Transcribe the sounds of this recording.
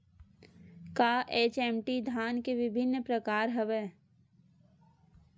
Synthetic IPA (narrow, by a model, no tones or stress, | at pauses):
kaːʔeːt͡ʃɛːmʈid̪ʱaːnkeʋɪbʱɪnːpɾəkaːɾɦəʋeː